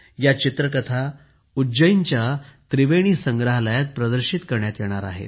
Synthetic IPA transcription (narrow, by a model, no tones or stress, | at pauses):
jat͡ɕit̪ɾəkət̪ʰa | ud͡ʑəiɲt͡ɕjat̪ɾiʋeɽ̃iːsəŋɡɾaɦləjat̪̚pɾəd̪əɾɕit̪kəɾɳjat̪jɛɽ̃aɾa̰ɦḛt̪